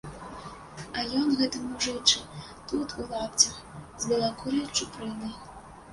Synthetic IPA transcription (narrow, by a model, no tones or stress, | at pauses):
ɐjɔnɣɛt̪ɨmuʐɨt͡ʂɨ | t̪ut̪ulˠapt͡sʲɐxzbʲɨlˠakuɾɐjt͡ʂupɾɨnɨj